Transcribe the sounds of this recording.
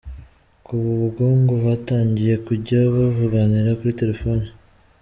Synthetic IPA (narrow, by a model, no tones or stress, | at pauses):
kuβuβuɡoːŋɡoβataːɲɟije̞kuɾɟaβoβuɡaniɾakuɾite̞ɾe̞fo̞ni